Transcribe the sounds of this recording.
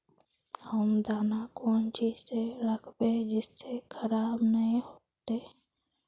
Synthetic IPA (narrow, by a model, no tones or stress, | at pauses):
həmd̪aːnakont͡ʃiseɾəkʰbed͡ʒɪsːekʰəɾaːbnəɦĩɦot̪e